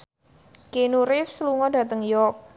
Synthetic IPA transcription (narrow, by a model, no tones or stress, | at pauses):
kenuɾɪfsəluŋɔda̤t̪əŋjɔk̚